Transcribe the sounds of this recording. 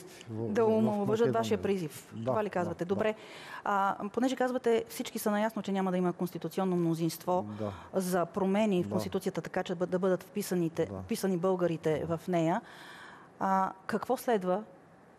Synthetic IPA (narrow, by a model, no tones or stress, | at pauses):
d̪ɐomovəʒət̪vaʃijəpɾizift̪ovalikazvɐt̪ɛd̪obɾɛ | ponɛʒɛkazvɐt̪ɛfsit͡ʃkisɐnɐjasnot͡ʃɛnʲamɐd̪ɐiməkonst̪it̪ut̪siɔnːomnozinst̪vɔzɐpɾomɛnifkonst̪it̪ut̪sijət̪ət̪ɐkat͡ʃɛd̪ɐbɤd̪ət̪fpisənit̪ɛfpisənibɤlˠɡəɾit̪ɛvɐfnɛjə | kɐkvɔslɛd̪və